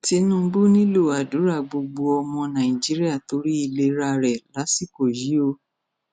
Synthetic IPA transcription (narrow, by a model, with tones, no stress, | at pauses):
ti˧nũ˦bu˦nĩ˦lo˦˨a˨du˨˦ɾa˦˨ɡ͡bo˧ɡ͡bo˧ɔ˧mɔ̃˧nã˨i˨d͡ʒi˨˦ɾi˦a˦˨to˨˦ɾi˦i˦˧˨le˧ɾa˦˧ɾɛ˨la˨˦si˦˨ko˨ji˨˦o˧